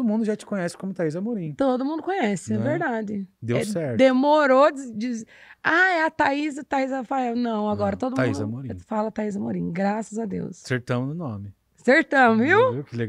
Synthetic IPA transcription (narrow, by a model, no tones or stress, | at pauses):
d̪ʊmũnd̪ʊʒat͡ʃɪ̥kõɲɛsɪ̥kõmʊt̪aizɐmoɾĩt̪od̪ʊmũnd̪ʊkõɲɛsɪɪɛveɾd̪ad͡ʒɪd̪ewɛsɛɾt̪d̪emoɾod͡ʒɪd͡ʒizaɛɐt̪aizɐt̪aizɐfaɛwnɐ̃w̃aɡɔɾɐt̪od̪ʊmaizɐmoɾĩfalɐt̪aizɐmoɾĩɡɾasɐzad̪ḛwsseɾt̪ɐ̃mʊnʊnõ̰mɪ | seɾt̪ɐ̃mʊviwekɪleɡ